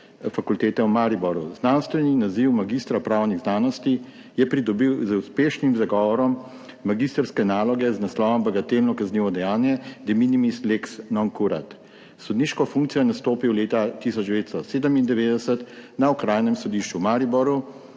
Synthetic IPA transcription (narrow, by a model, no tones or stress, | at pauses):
fakult̪eːt̪ɛwmaɾibɔɾuznanst̪ʋɛninaziwmaɡist̪ɾapɾaːwniɣznaːnɔst̪i | jɛpɾid̪ɔbiwzəuspeːʃnimzaɡɔːʋɔɾɔmː | aɡist̪əɾskɛnaːlɔɡɛznaslɔːʋɔmbɛɡat̪eːlnɔkazniːʋɔd̪ɛjaːnjɛd̪ɛminimisleksnɔŋkuɾa̰t̪ | sɔd̪niʃkɔfũŋkt̪sijɔnast̪oːpiwleːt̪at̪isɔd͡ʒd̪ɛʋeːt̪st̪ɔseːd̪əmind̪ɛʋeːd̪ɛsət̪naɔkɾaːjnɛmsɔd̪iʃt͡ʃumaɾibɔɾu